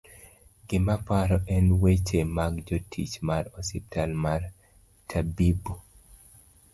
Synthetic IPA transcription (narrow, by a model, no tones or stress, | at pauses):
ɡɪmapaɾɔʔɛnwet͡ʃemaɡd͡ʒotʰḭt͡ʃmaɾɔsḭp̚tʰalmar | tʰabibu